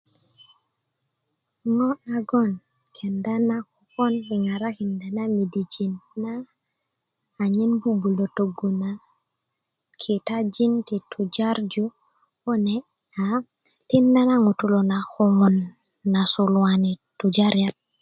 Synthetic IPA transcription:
ŋo˦aɡon | kʰe˨nda˦na˦kuko˦ni˨ŋa˨ɾaki˨nda˨nami˨did͡ʒi˨nːa˦˨ | ɲi˦nbubu˨lo˨to˨ɡu˨na | kʰi˨tad͡ʒi˦nti˨tud͡ʒaɾd͡ʒu | o˦ne | a | ti˦nda˦na˦ŋo˨tulonaxo˦ŋo˨nː | a˨sulwanitud͡ʒaɾijat̚

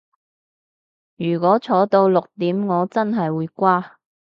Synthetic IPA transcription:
jyː˨˩kʷɔː˨˥t͡sʰɔː˨˥t̪o˧wlʊ˨k̚t̪iː˨˥mŋɔː˨˧t͡sɐ˥nɦɐ˨jwuː˨˧jkʷaː˥

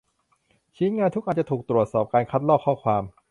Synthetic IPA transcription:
t͡ɕʰiː˦˥nŋaː˧nt̪ʰu˦˥k̚ʔa˨˧nt͡ɕa˨˩t̪ʰuː˨˩k̚t̪ɾu˨˩ət̪̚sɔː˨˩p̚kaː˧nkʰa˦˥t̪̚lɔː˥˩kʰːɔː˥˩kʰwaː˧m

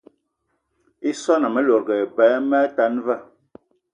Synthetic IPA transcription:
i˦sɔ˦na˨mɛ˦lo˨ɾɡɛ˨bɛ˨˦mɛ˦ta˦nva˦˨

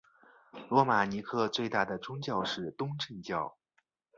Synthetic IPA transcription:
lwɔ˧˥ma˨˩ni˧˥kʰɤ˥˧t͡swe˥˧ɪt̪a˥˩d̪ə˩ʈ͡ʂʊ˥ŋt͡ɕjɑ˥˧ʊʂɻ̩˥˩t̪ʊ˥ŋʈ͡ʂə˥˧nt͡ɕjɑ˥˩ʊ

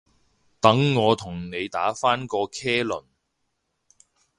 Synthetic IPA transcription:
t̪ɐ˨˥ŋːɔː˨˧t̪ʰʊ˨˩ŋne˨˧jt̪a̰ː˨˥faː˥nkɔː˧kʰɛː˥lɵ̰˨˩n

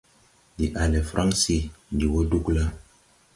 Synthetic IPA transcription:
di˨ʔa˨le˨fɾʔa˦ŋsi˦di˨wo˦du˦kla˦

